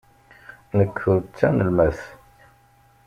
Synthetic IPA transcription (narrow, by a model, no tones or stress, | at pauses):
nəkːʊɾt͡sːænəlmæθ